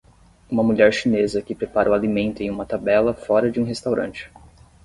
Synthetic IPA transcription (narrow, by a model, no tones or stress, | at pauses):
ũmɐmuʎɛɾʃinezɐkɪpɾepaɾʔɐũalimẽnt̪ʊẽj̃ũmɐt̪abɛlɐfɔɾɐd͡ʒɪũɦest̪awɾʔɐ̰̃nt͡ʃɪ̥